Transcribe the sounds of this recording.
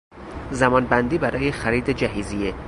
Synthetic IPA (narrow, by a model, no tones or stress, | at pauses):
zæmɒːnbænd̪iːbæɾɒːjexæɾiːd̪ed͡ʒæɦiːzije